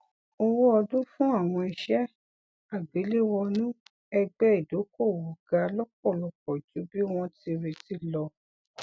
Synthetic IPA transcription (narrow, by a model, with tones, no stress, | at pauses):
o˧wo˦ɔ˧dũ˦fũ˦a˦˨w̃ɔ̃˧i˧ʃɛ˦ | a˨ɡ͡be˨˦le˦wɔ˧nũ˦ | ɛ˧ɡ͡bɛ˦i˨do˨˦ko˦˨wu˨ɡa˨˧lɔ˦k̚ɔ˦˨lɔ˧k̚ɔ˨d͡ʒu˨˦bi˦w̃ɔ̃˧ti˧ɾe˧ti˧˦lɔ˧